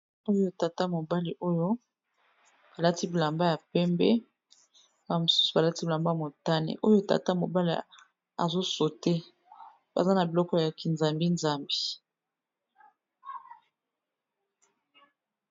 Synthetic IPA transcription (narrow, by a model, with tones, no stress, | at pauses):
o˦jo˦ta˨ta˦mo˨ba˦li˨ʔo˦jo˦ | b̥a˨la˦ti˦bi˨la˨mba˦ja˨pɛ˦mbɛ˦ | a˨mo˨su̥˦su˨ba˨la˦ti˦bi˨la˨mba˦ja˨mo˨ta˦nḛ˨ʔo˦jo˦ta̰˨ta˦mo˨ba˦lḭ˨ | a̰˨zo˦so˨te˦ | ba̰˨za˦na˨bi˨lɔ˦kɔ˦ja˨ki˨nza˨mbi˦nza˦mbe˨